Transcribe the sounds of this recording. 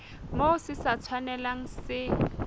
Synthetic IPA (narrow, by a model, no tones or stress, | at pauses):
mosɪsat͡sʰwanɛlaŋ̩sɪ